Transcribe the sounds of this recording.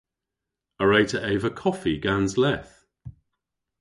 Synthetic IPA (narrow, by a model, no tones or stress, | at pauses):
əɹeɪtʰəʔeɪvəkʰɒfiɡanzlɛθ